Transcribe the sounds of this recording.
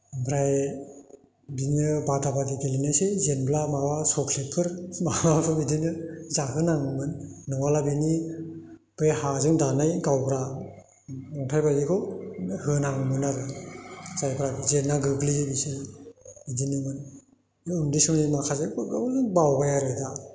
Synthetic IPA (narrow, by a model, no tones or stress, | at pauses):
bʰɾaj | biŋɯbadabaɡiɡelinajsezenblamawasɔkʰlepʰɯɾmawapʰɯbidinɯzaɦɯnaŋmɯnːɯŋwalabini | b̥ɯjhazɯŋdanajɡawbɾa | ɔŋtʰajbaɡikʰɔhɯnaŋmɯnaɾɯ | z̥ajpʰɾazenːaɡɯɡlibisebidinimɯn | undisɯmnimakʰazeɡɯŋbawbajaɾɯjda